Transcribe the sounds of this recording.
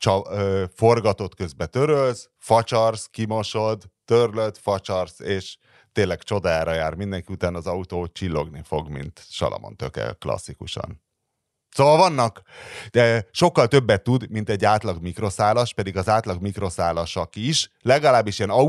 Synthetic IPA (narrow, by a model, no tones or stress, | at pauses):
t͡ʃɒfo̞rɡɒt̪o̞t̪kø̞zbɛt̪ø̞ɾøls | fɒt͡ʃɒrskimo̞ʃo̞d̪ːørløt̪fɒt͡ʃɒrseːʃ | t̪eːnlːɛɡt͡ʃo̞d̪aaːɾɒjaːrmind̪ɛŋkiut̪aːnɒzɒut̪oːt͡ʃilːo̞ɡnifo̞ɡmḭnt̪ʃɒ̰lɒ̰mo̰nt̪ø̰kɛ̰klɒ̰sːikuʃɒ̰n | soːvɒlvɒnːɒkː | ʃo̞kːɒlt̪ø̞bːɛt̪ːud̪mint̪ɛɟːaːt̪lɒɡmikro̞saːlɒʃpɛd̪iɡɒzaːt̪lɒɡmikro̞saːlɒʃɒkiʃlɛɡɒlaːbːiʃiɛnɒ